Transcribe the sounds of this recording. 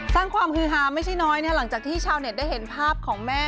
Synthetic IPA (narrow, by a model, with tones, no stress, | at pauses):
saː˥˩ŋkʰwaː˧mkʰɯː˨˦ɦaː˩˦˥ma˥˩jt͡ɕʰa˥˩jnɔː˦˥jn˥˩˨la˩˦ŋt͡ɕaː˨˩k̚t̪ʰiː˥˩t͡ɕʰaː˧wne˨˩t̪̚da˥˩jhe˩˦npʰaː˥˩p̚kʰɔː˩˦ŋmɛː˥˩